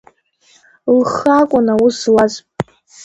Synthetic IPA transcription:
lχakʷʼʊnawuslazʼ

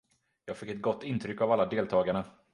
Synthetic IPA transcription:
jɑːɡfɪkːɛt̪̚ɡɔt̪ːɪnt̪ʰɾʏkːavalːad̪eːlt̪ʰɑːɡaɳa

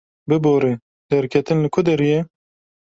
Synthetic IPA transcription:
bɨboːɾe | d̪ɛɾkʰɛt̪ɨnlɨkʰʊd̪ɛɾijɛ

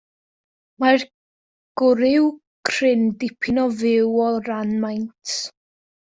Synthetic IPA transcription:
mar | ɡ̥ʊɾɪw | kʰr̥ɪndɪpʰɪnɔvɪwɔranmajntʰ

